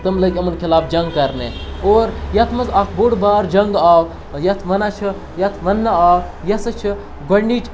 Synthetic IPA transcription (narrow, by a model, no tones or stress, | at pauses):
t̪ɐmlɐɡʲɐmɐnkʰilaːbd͡ʒɐŋɡ̚kɐɾneːoːɾjɐt̪ʰmɐzakʰboɽbaːɾd͡ʒɐŋɡaːw | jɐt̪ʰʋɐnaːt͡ʃʰɨ | jɐt̪ʰʋɐnːaaːw | jɐsɨt͡ʃʰi | ɡɐɳɖiːt͡ʃʰ